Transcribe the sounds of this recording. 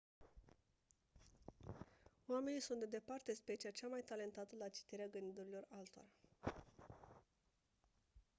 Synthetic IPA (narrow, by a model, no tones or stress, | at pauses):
oame̞nisunt̪d̪e̞d̪e̞part̪e̞spe̞t͡ʃiat͡ʃamajt̪ale̞nt̪at̪əlat͡ʃi̥t̪eɾeaɡɨnd̪id̪uɾilo̞ralt̪o̰ɾa